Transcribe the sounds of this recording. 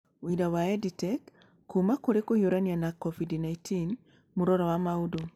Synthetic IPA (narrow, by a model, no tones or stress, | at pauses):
widawaɛditɛkː | umakoɾekojoɾanianakɔvidnaitin | muɾɔɾɔwamaudo